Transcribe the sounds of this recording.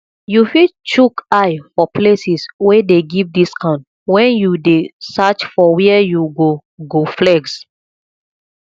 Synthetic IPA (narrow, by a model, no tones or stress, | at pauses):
jufidt͡ʃukaɪfɔplesiswedeɡivdiskʰãʊ̃nt | wɛ̃njudesat͡ʃfɔwɛɛjuɡo | ɡoflɛɡs